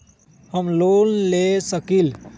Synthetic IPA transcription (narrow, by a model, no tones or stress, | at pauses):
həmlonlesəkil